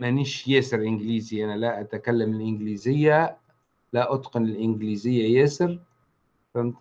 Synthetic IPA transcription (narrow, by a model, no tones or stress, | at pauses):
mæniːʃjæːsɪɾʔɪnɡliːziʔænalaʔæt̪akalːamɪlʔɪnɡliːzɪjːa | laʔɑt̪qɑnɪlʔɪnɡliːzɪjːajæːsɪɾ | fam